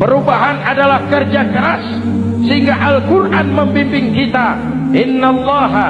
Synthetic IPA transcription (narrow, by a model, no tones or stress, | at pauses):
pəɾubaɦanadalahkərd͡ʒakəɾas | səɦiŋɡaʔalkurʔanməmpimpɪŋkit̪a | ʔɪnːalːɑɦa